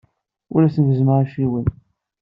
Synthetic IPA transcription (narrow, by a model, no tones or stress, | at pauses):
ʊ̰læθənvəzməɾæʃiwən